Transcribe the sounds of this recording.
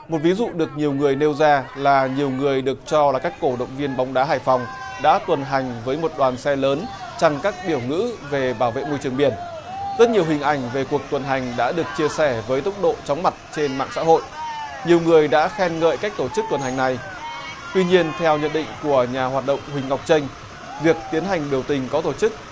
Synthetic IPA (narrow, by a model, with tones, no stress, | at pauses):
mo˨˩t̚vi˨˦zṵ˧˨ɗɨ˨˩ək̚ɲi˨˩əwŋɨ˨˩əjne˧wzaː˧laː˨˩ɲi˨˩əwŋɨ˨˩əjɗɨ˨˩ək̚t͡ɕɔ˧laː˨˩kaː˦˥kko˧˩ɗə̰˧˨wŋ͡mvi˧ənɓa˨˦wŋ͡mɗaː˨˦ɦaː˧˩jfa˨˩wŋ͡m | ɗa̰ː˧˥t̪wə˨˩nɦa˨˩jŋ̟vəː˨˦jmo˨˩t̚ɗwaː˨˩nsɛ˧ləː˨˦n | t͡ɕa˨˧˩ŋkaː˦˥k̚ɓi˧˩əwŋɨ̰˧˥ve˨˩ɓaː˧˩wvḛ˧˨mo˧jt͡ɕɨ˨˩əŋɓi˧˩ən | z̥ə˦˥t̚ɲi˨˩əwhï˨˩ŋ̟ʔa˧˩jŋ̟ve˨˩ku˨˩ək̚t̪wə˨˩nɦa˨˩jŋ̟ɗa̰ː˧˥ɗɨ˨˩ək̚t͡ɕi˧əsɛ˧˩vəː˨˦jt̪ʊ˦˥k͡p̚ɗo̰˧˨t͡ɕɔ˨˦wŋ͡mma˨˩t̚t͡ɕe˧nma̰ː˧˨ŋsa̰ː˧˥ɦo̰˧˨jʔ | ɲi˨˩əwŋɨ˨˩əjɗa̰ː˧˥xɛ˧nŋə̰ː˧˨jka˦˥k̚t̪o˧˩t͡ɕɨ˦˥k̚t̪wə˨˩nhɦa˨˩ŋ̟na˨˩j | t̪wi˧ɲi˧ənt̪ʰɛ˧wɲə̰˧˨nɗḭ̈˧˨ŋ̟ku˧˩əɲaː˨˩ɦwaː˨˩t̚ɗə̰˧˨wŋ͡mhï˨˩ŋ̟ŋa˨˩wk͡p̚t͡ɕə˧ŋ̟ | vi˨˩ək̚t̪i˨˦ənɦa˨˩jŋ̟ɓi˨˩əwt̪ï˨˩ŋ̟kɔ˨˦t̪o˧˩t͡ɕɨ˦˥k̚